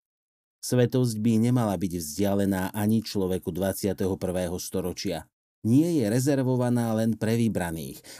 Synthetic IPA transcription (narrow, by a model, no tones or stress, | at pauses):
sʋɛt̪ɔzɟbiɲɛmalabiɟvzɟɪalɛnaːʔaɲit͡ʃlɔʋɛkud̪ʋat͡sɪat̪ɛɦɔpr̩ʋɛːɦɔst̪ɔɾɔt͡ʃɪa | ɲɪɛjɛɾɛzɛɾʋɔʋanaːlɛnpɾɛʋibɾanḭːx